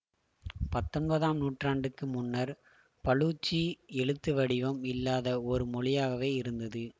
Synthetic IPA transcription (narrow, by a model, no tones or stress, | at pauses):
pɐt̪ːɔnbɐðaːmnuːʈraːɳɖɯkːɯmʊnːɐɾ | pɐɭuːt͡ʃːiɛɻɯt̪ːɯʋɐɽɪʋɐmɪlːaːðɐɔɾɯmɔɭɪjaːɣɐʋeːɪɾɯnd̪ɐðɯ